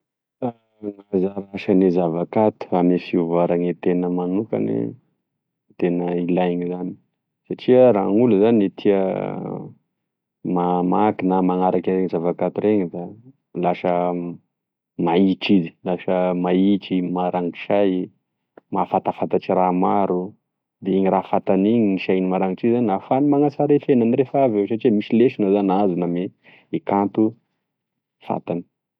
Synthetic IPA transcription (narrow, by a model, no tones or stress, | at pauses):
a | ŋazaɾaʃənizavakat̪u̥amifiuvaɾaŋet̪enəmanuka̰nḛ | t̪enəilajɲizani̥ | saʈ͡ʂiəɾaŋuluzanit̪ʰiə̰ | mamakinəmaŋaɾakaɾeɲizavakat̪uɾeŋid̪a | laʃə | maiʈ͡ʂizi̥laʃəmaiʈ͡ʂimaɾaŋki̥ʃaj | mafat̪afat̪aʈ͡ʂiɾaːmaɾu | d̪eiɲirafat̪aniɲiniʃajnimaɾaŋiʈ͡ʂizaninafanimaŋasaɾefenaniɾefavewʃaʈ͡ʂiemisileʃinozanazuname | ekant̪u | fa̰t̪ani̥